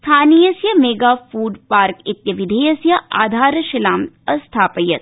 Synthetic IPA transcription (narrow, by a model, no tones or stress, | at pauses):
st̪ʰaːnijɐsjɐmeːɡaːfuːɖpaːɾkit̪jɐʋid̪ʱejɐsjɐʔa̰ːd̪ʱaːɾɐʃɐlaːm | ɐst̪ʰaːpɐjɐt̪